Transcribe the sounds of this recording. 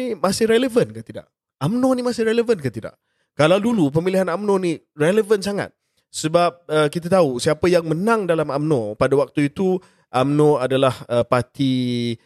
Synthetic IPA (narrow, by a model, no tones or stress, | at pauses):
imasɪhɾɛləvənkant̪ida̰ʔ | amnõnimasɪhɾɛləvənkat̪ida̰ʔ | kalawdulup̬əmiliɦanamnɔ̃ni | rɛləvənsaŋa̰t̪̚ | səbap̚əkit̪̬at̪ausiapəjaŋmənãŋdalamamnɔ̃padawak̚t̪uit̪u | ʔamnɔ̃adalahəpat̪i